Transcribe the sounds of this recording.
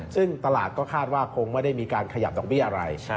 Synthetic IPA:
sɯ˥˩ŋt̪a˧laː˨˩t̪̚kɔː˥˩kʰaː˥˩t̪̚waː˥˩kʰo˧ŋma˥˩da˥˩jmiː˧kaː˧nkʰa˧ja̰˨˩p̚dɔː˨˩bi˥˩ʔa˧ɾa˧j

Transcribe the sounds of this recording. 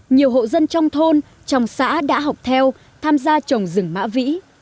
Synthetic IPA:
ɲi˨˩əwɦo̰˧˨zə˧nt͡ɕɔ˧wŋ͡mt̪ʰo˧n | t͡ɕɔ˨˩wŋ͡msa̰ː˧˥ɗa̰ː˧˥ɦɔ˨˩wk͡p̚t̪ʰɛ˧w | t̪ʰaː˧mzaː˧t͡ɕə˨˩wŋ͡mzɨ˨˧˩ŋma̰ː˧˥vḭ˧˥

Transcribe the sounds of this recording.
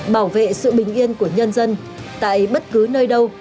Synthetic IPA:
ɓaː˧˩wvḛ˧˨sɨ̰˧˨ɓï˨˩ŋ̟ʔi˧ənku˧˩əɲə˧nzə˧n | t̪a̰ː˧˨jɓə˦˥t̚kɨ˨˦nəː˧jɗə˧w

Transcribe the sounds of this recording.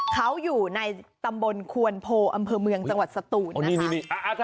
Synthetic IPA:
kʰa˦˥wjuː˨˩na˧jt̪a˧mbo˧nkʰu˧ənpʰoː˧ʔa˧mpʰɤː˧mɯ˧əŋt͡ɕa˧ŋwa˨˩t̪̚sa˧t̪uː˨˩n˧niː˦˧˩niː˧˩ni˧˩ʔa˧ʔa˧k

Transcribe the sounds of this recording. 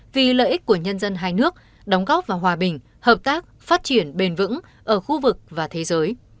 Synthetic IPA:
vi˨˩lə̰ː˧˨jʔi˦˥k̟̚ku˧˩əɲə˧nzə˧nɦaː˧jnɨ˦˥ək̚ | ɗɔ˨˦wŋ͡mɣɔ˦˥p̚vaː˨˩wɦwaː˨˩ɓï˨˩ŋ̟ | həː˨˩p̚t̪aː˦˥k̚faː˦˥t̚t͡ɕi˧˩ənɓe˨˩nvɨ̰˧˥ŋ | ʔəː˧˩xu˧vɨ˨˩k̚vaː˨˩t̪ʰe˨˦zəː˨˦j

